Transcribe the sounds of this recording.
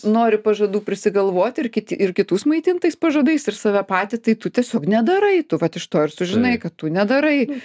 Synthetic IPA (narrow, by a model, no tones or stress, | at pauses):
noːɾʲɪpɐʒɐd̪uːpʲɾʲɪsʲɪɡɐlˠʋoːt̪ʲɪrkʲɪt̪ʲɪɪrkʲɪt̪uːsmɐɪt̪ʲint̪ɐɪspɐʒoːd̪ɐɪsɪrsɑːʋʲɛpɑːt̪ʲɪt̪ɐɪt̪ʊt̪ʲiɛsʲoːknʲɛd̪ɐɾɐɪt̪ʊʋɐt̪ɪʃt̪oːɪrsʊʒʲɪnɐɪkɐt̪tʊnʲɛd̪ɐɾɐɪ